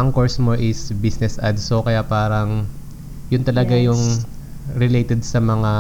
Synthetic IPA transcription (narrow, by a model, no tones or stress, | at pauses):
ʔɐŋkoɹsmoʔɪsbisnɛsʔɐd̪sokɐjapaːɾɐŋ | jʊnt̪ɐlɐɡajʊŋ | ɾɪlejt̪ɛd̪̚sɐmɐŋa